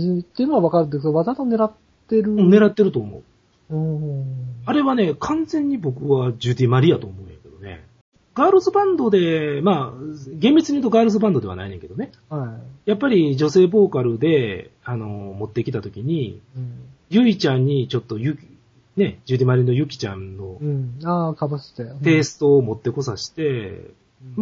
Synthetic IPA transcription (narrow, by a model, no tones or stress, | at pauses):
t̪ːeiɯ̟noaβakaɾɯ̃nd̪es̬oβad̪at̪one̞ɾat̪ː | e̞ɾɯ̟̃ne̞ɾat̪ːe̞ɾɯ̟t̪o̞ːmo̞̰ɯ̟̰ | ɯ̃ | aɾe̞βane̞kʰãnzẽ̞ɲ̟ːibo̞kɯ̟βad͡ʑɨd̪ʲimaɾʲijat̪o̞ːmo̞ːɯ̃jake̞d̪̥o̞ne̞̰ | ɡ̥aːɾosɨbãnd̪o̞d̪e̞maːɡẽ̞mbʲit͡sɨɲiɯ̟t̪oɡaːɾɯs̬ɨbãnd̪o̞d̪e̞a̰na̰ineŋked̪one̞ | haijapːaɾʲid͡ʑo̞se̞ːbo̞ːkaɾɯ̟d̪e̞ano̞mo̞t̪ːe̞kʲi̥t̪at̪o̞kʲiɲ̟i | jɯ̟it͡ɕãɲ̟ːit͡ɕo̞t̪ːo̞jɯ | ne̞d͡ʑɨd̪ʲimaɾʲino̞jɯ̟kʲi̥t͡ɕã̰nːo̞aːkabɯst̪et̪e̞ːsɨ̥t̪o̞ːmo̞t̪ːe̞ko̞saɕi̥t̪e̞ | ma